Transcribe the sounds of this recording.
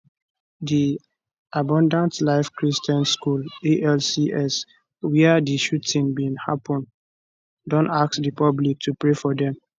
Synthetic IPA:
di | abɔ̃ndãntlaɪfkɹistɔ̃nskuleʔɛlsiʔɛs | wiadiʃutĩŋbĩnhapɔ̃n | dɔ̃ntaksdipɔblik̚tʰupɹefɔdɛ̃m

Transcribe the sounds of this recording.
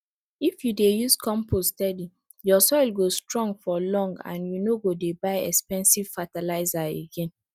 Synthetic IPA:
ifjudejuskɔ̃mpostɛdi | jɔsɔɪlɡostɹɔ̃ŋɡfɔlɔ̃ŋɡã̰njunoɡodebaɪɛ̰kspɛ̃nsiv̥fatalaɪzaeɡẽn

